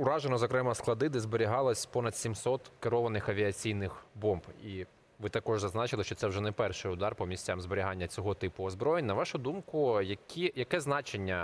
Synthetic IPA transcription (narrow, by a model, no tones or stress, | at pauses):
ʊɾɑʒenɔzɔkɾɛmɐsklˠɐd̪ɪd̪ɪzbeɾʲiɦɑlˠɐsʲpɔnɐd̪̥sʲimsɔt̪keɾɔʋɐnɪxɐʋʲiɐt͡sʲijnɪxbɔmbi | ʋɪt̪ɐkɔʒzɐznɑt͡ʃɪlˠɪʃt͡ʃɔt̪sɛwʒɛnɛpɛrʃɪjʊd̪ɑrpɔmʲisʲt͡sʲamzbeɾʲiɦɑnʲːɐt͡sʲɔɦɔt̪ɪpʊɔzbɾɔjenʲnɐʋɑʃʊd̪umkʊjɐkʲʰijɐkɛznɑt͡ʃe̞nʲːɐ